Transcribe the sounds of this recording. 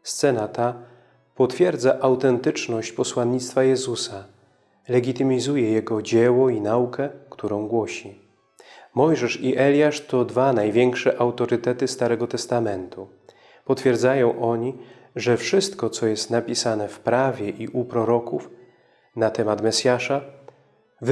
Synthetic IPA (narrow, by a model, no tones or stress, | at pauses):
st̪sɛnat̪a | pɔt̪fʲjɛɾd̪zaʔawt̪ɛnt̪ɘt͡ʂnɔɕt͡ɕpɔswanːit̪st̪fajɛzusa | lɛɡʲit̪ɘmʲizujɛjɛɡɔd͡ʑɛwɔinaukɛkt̪ʰuɾɔ̃w̃ɡwɔɕi | mɔjʐɛʂiʔɛlʲjaʂt̪ɔd̪vanajvʲjɛŋkʂɛʔawt̪ɔɾɘt̪ɛt̪ɘst̪aɾɛɡɔt̪ɛst̪amɛnt̪u | pɔt̪fʲjɛɾd̪zajɔ̃w̃ʔɔɲi | ʐɛfʂɘst̪kɔt̪sɔjɛst̪napʲisanɛfpɾavʲjɛʔiʔupɾɔɾɔkuf | nat̪ɛmat̪mɛsʲjaʂa | v